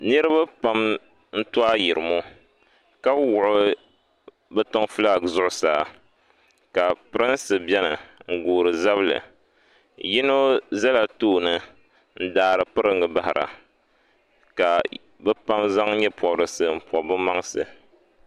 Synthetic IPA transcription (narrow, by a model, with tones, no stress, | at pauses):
nɨ˦ɾɨ˦βa˦pa˦m | n̩˦tu˦a˦ji˨ɾɨ˨mo˦ | ka˦wʊ˨ʔʊ˦ | bɛ˦to˦ŋfɨ˦la˦˨zʊ˦ʔʊ˦sa̰ː˨ | ka˨pɨ˦ɾɨ˦nsɨ˨bɛ˦nɨ˨ŋ̩˨ɡuː˨ɾɨ˨za˦βɨ˦lɨ̰˨ | ji˦no˦za˦la˨toː˦nɨ˨ | n̩˦daː˨ɾɨ˨pɨ˦ɾɨ˦ŋɡɨ˨ba˦hɪ˨ɾʔa̰˨ | ka˨ | bɛ˦pa˦mza˦ŋ˦ɲɛ˦pɔ˨bɾɨ˨sɨ˨m̩˨pɔ˨bɨ˦ma˦ŋsɨ̰˨